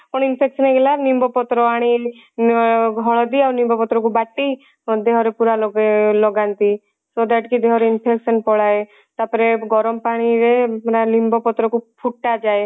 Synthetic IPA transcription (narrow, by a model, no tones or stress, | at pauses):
pɔɽ̃inpʰeksɔneɡelaɾnimbɔpɔt̪ɾɔaɽ̃i | ɡʱɔɭɔd̪iawɾnimbɔpɔt̪ɾɔkubaʈːi | d̪eɦɔɾepuɾalɔlɔɡant̪i | sɔd̪aʈkid̪eɦɔɾeinpʰeksɔnpɔɽae | t̪apɔɾeɡɔɾɔmpaɽ̃iɾeɾalimbʱɔpɔt̪ɾɔkupʰuʈːad͡ʒae